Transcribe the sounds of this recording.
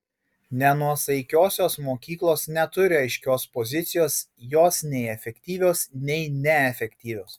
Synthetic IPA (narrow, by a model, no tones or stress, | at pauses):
nʲɛnuɔsɐɪkʲoːsʲoːsmoːkʲiːklˠoːsnʲɛt̪ʊɾʲɪɐɪʃʲkʲoːspɔzʲɪt̪sʲɪjoːs | joːsnʲɛɪɛfʲɛkʲt̪ʲiːʋʲoːsnʲɛɪnʲɛɛfʲɛkʲt̪ʲiːʋʲoːs